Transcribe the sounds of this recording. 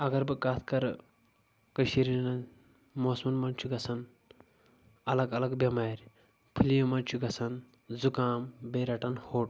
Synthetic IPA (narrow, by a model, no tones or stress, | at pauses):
ɐɡɐɾbɨkat̪ʰkɐɾ | kəʃiɾinɐ | moːsmɐnmɐnt͡ʃʰuɡɐsɐn | ɐlɐɡɐlɐɡbʲɐmaːɾʲ | pʰulijɐmɐnt͡ʃʰuɡɐsɐn | zukaːmbeɾɐʈɐnhoːʈ